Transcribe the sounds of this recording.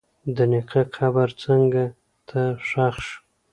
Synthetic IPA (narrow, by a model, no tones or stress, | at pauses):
d̪ənɪqʰakʰabaɾt͡səŋɡa | t̪ʰaʂaxʃ